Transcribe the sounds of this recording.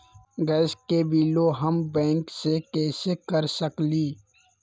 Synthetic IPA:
ɡɛːskebiːloɦəmbɛ̃ːŋksekɛːsekəɾsəkliː

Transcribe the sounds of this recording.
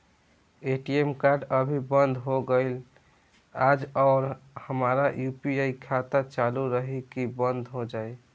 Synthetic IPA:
eʈiemkaɾɖəbʱibənd̪ʱɦoɡəɪl | ad͡ʒɔʊɾhəmaɾajupiaikʰat̪at͡ʃaluɾəɦikibənd̪ʱɦod͡ʒaj

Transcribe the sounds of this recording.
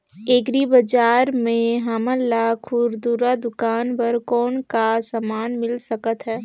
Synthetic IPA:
eːɡɾibəd͡ʒaːɾmẽɦaməlːakʰʊɾd̪uːɾad̪ʊkaːnpəɾkɔːnkasəmaːnmɪlsəkət̪ɦɛː

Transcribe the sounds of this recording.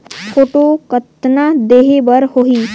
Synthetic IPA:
pʰoːʈokət̪nad̪eːɦebɐɾhoɦiː

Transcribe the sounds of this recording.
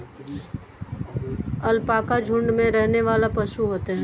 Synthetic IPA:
ɐlpaːkad͡ʒʱʊ̃ɳɖmẽɾɛɦneʋaːlapɐsuɦoːt̪eɦɛ̃ː

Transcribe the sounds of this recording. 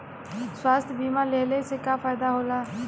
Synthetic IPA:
swaːst̪ʰjbiːmãleːlesekafaːɪd̪aɦoːlaː

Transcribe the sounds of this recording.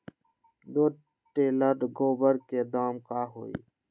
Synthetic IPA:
d̪oː | ʈeːləɾɡoːbəɾkeːd̪aːmkaːɦo̰ːḭː

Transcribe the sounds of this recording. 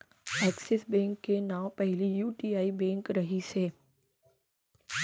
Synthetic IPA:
ɛːksɛsbɛ̃ːŋkːenãːwpɛɦlijuːʈiːaːibɛ̃ːŋkɾɐɦiseː

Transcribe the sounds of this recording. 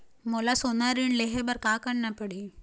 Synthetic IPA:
molasonaɾiɳleɦebəɾkakəɳnapəɽiː

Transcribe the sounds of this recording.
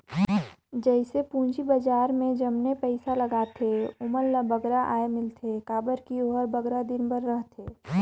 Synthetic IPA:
d͡ʒɛɪsepũːɲd͡ʒibəd͡ʒaːɾmẽd͡ʒɐmnepɛɪsaləɡaːt̪ʰeʊməlːəbəɡɾaʔa̰ːemɪlt̪ʰekaːbəɾkioɦəɾbəɡɾad̪ɪnbəɾːəɦt̪ʰeː

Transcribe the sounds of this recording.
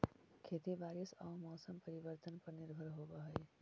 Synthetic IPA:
kʰet̪ibaɾisamɔsəmpəɾibəɾt̪ənpəɾniɾbʱəɾɦobəɦəj

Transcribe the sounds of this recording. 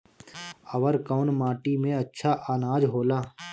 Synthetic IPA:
əʋəɾkɔːnmaːʈimẽɐtːʃʰaʔaːnaːd͡ʒɦoːlaː

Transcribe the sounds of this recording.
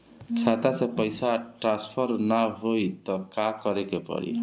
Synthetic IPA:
kʰat̪asẽpəjsaʈɾãspʰʌɾnaɦojt̪ʌkakʌɾekepʌ̰ɾḭ

